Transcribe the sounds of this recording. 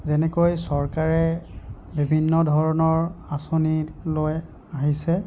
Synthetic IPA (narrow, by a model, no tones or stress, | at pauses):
zɛnɛkojsɔɹkaɹɛ | bibʱinːɔdʱɔɹɔnɔɹasoniloj | aɦisɛ